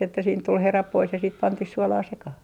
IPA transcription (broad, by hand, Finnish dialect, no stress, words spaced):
etːæ siːnt tul herɑp pois jɑ sit pɑntih suɔlɑː sekɑh